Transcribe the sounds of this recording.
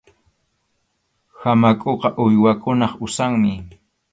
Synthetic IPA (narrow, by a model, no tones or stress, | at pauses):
hamakʼoqɑʔʊjwakʊnɑχʊsaŋmɪ